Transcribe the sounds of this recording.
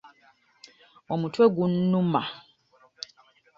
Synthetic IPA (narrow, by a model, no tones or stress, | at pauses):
wɔmutwɛɡunːuma̰